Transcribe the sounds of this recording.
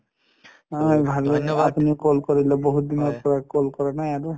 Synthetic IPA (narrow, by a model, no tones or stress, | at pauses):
abʱaɾɔapuniʊkolkɔɾilɔboɦud̪inɔɾpɔɹakolkɔɾanajaɾu